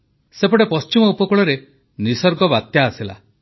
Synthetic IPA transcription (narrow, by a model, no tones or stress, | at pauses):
sepɔɽepɔst͡ʃimɔupɔkuɭɔɾe | nisɔɾɡɔbat̪jaːsila̰